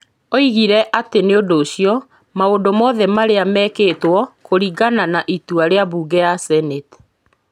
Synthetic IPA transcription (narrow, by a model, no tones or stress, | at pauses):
oiɣiɾɛʔateneondoːɕijɔ | maondomɔðɛmaɾeamɛketwɔkoɾiɡananaʔituaɾeaβuːɡɛasɛnet